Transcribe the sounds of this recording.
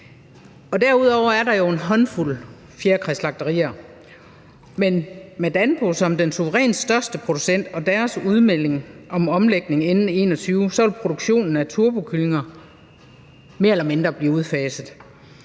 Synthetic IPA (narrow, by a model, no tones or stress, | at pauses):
ɒ̽d̥æɐuð̞ˠɒʊ̰ɐæɐɾɑ̈jo̝e̝nɦɒ̽nful̰ | fjeɐkʰʁɛslɑ̈ɡ̥̚d̥ɐʁḭːɐ | menmed̥ænb̥o̝sɒ̽md̥ensuʋəʁɛ̰ːnsd̥ɶɐsd̥əpʰʁo̝d̥usen̰d̥ɒ̽d̥æɐsuð̞ˠmel̰e̝ŋʔɒ̽mɒ̽mleɡ̥ne̝ŋenn̩e̝̰ːnɒ̽t͡sʰyːʊsɒ̽ʋelpʰʁo̝ɾ̥uɡ̥ɕo̝̰ːnn̩æt͡sʰuɐb̥o̝kʰyle̝ŋɐ | me̝ɐelɐme̝nd̥ʁɐb̥liːuð̞ˠfɛːsð̩ˠ